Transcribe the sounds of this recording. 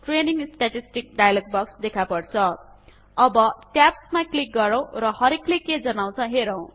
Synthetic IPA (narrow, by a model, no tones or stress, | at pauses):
ʈreniŋsʈaʈisʈik̚ɖajalʌɡ̚bʌksd̪ekʰapʌrt͡sʰʌ | ʌbʌʈjapsmaklik̚ɡʌɾʌw̃ɾʌhʌɾeklekːed͡zʌnaw̃t͡sʰʌɦeɾʌw̃